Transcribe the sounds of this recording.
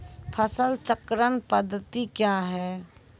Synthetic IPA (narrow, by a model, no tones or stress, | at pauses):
pʰəsəlt͡ʃəkɾənpəd̪ʱːət̪ikjaɦɛː